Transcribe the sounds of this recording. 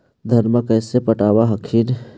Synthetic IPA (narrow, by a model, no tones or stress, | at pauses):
d̪ʱənməkəːsepəʈaːwaɦəkʰin